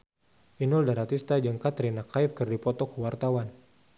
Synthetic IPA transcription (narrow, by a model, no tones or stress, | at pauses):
ʔinʊldaɾat̪ist̪ad͡ʒɨŋkat̪ɾinakaip̚kɨrdipɔt̪ɔkəwart̪awan